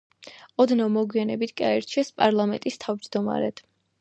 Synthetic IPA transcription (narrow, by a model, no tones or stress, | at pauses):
ɔd̪namɔɡwianɛbit̪ʰɡaɛɾt͡ʃʰɛspʼaɾlˠamɛnt̪ʼist̪ʰavd͡ʒd̪ɔma̰ɾɛ̰d̪̥